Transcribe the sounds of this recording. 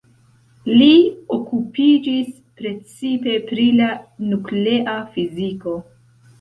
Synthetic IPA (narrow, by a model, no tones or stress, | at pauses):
liokupid͡ʒis | pɾe̞t͡sipe̞pɾilanukleʔafiziko̞